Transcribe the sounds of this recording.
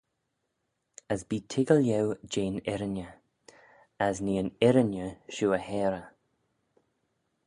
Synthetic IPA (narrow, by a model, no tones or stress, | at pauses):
əsbiːtʰɪɡəljɛwd͡ʒeːnɛɾənjə | əzniːənɪɾənjəʃuːəhɛːɾə